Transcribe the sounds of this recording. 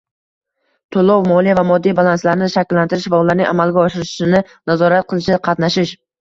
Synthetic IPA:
t̪ʰolˠowmɒlˠijavamɒd̪ːijbalˠanslaɾnɪʃakʲlːant̪ɪɾɪʃvaʊlːaɾnɪŋʔa̰malɡʲaɒʃɪɾɪʃʃɪnɪnazɒɾat̪̚qʰɨlˠɪʃɪqʰɑt̪naʃɪʃ

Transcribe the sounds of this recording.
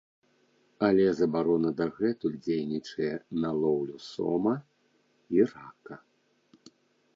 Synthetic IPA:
ɐlʲɛzɐbaɾɔnɐd̪ɐɣɛt̪ulʲd͡zʲejnʲit͡ʂɐjɛnɐlˠɔwlʲusɔ̰mɐ | irakɐ

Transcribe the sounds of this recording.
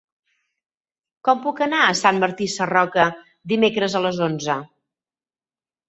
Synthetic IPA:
kɔmpukənaəsanməɾt̪isərɔkə | d̪imekɾəzələzonzə

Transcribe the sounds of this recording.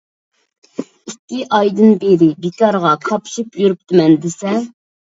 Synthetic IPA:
ikʲːiʔɑjd̪ɨnbeɾɪbekɑɾʁɑkʰɑpʃipjuɾup̚t̪ɨmɛnd̪ɪsɛ

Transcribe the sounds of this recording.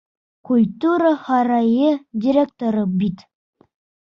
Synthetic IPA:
kulʲt̪uɾəhɑɾɑjɤdʲiɾʲek̚t̪oɾɤbit̪

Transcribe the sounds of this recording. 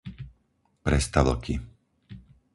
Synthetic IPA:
pɾɛst̪aʋl̩kʰi

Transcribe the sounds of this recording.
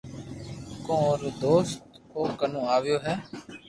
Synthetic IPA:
kõːɾd̪oːst̪ | oːkənũːaːʋɪjoːɦɛː

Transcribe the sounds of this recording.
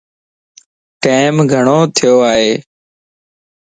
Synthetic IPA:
ʈaːɪmɡʱəɳoːt̪ʰɪjoːaːɦeː

